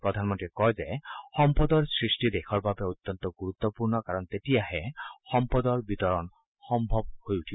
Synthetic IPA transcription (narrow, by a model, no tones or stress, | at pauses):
pɾɔd̪ʱanmɔnt̪ɾikɔjzexɔmpɔd̪ɔɹsɹisʈid̪ekʰɔɹbabeut̪ːɔnt̪ɔɡuɾut̪ːɔpuɹnɔkaɾɔnt̪etiaɦexɔmpɔd̪ɔɹbit̪ɔɾɔn | xɔmbʱɔb̚hojuʈʰibɔ